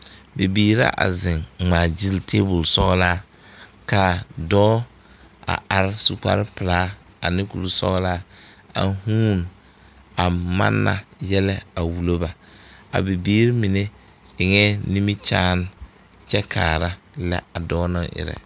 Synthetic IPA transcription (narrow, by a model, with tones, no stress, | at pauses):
be˨biː˨ɾa̰˦ʔa̰˨zɪ˨ŋŋ͡maː˨d͡ʒi˦ltʰe˦bʊ˨lsɔ˦ɡlaː˦ | ka˨dɔː˦ | a̰˨a˨ɾɪ˦su˨k͡pa̰˦ɾɪ˦pɪ˨laː˦ | a˨nɪ˦ku˨lu˨sɔ̰˦ɣlaː˦a̰˨huː˦n | a˨ma̰˦nːa̰˨jɛ˦lɛ˦a˨wu˨lo˦ba˨a̰˨bi˨biː˦ɾi˦mi˨ne˦ | ɪ˨ŋɛː˦ni˦mi˦t͡ʃaː˦n˦ | t͡ʃɛ˦kʰaː˨ɾa˦la̰˦a˨dɔː˦nɔ˦ʔɪ̰˨ɾɛ̰˨